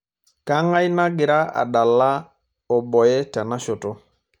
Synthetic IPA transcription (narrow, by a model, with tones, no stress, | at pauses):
ka˦ŋa˦jna˦ɡɪ˨ɾa˦a̰˨da˨lːa˦ | ɔ˨bɔ˨jɛ˦ta˨na˦ʃo˨tɔ˦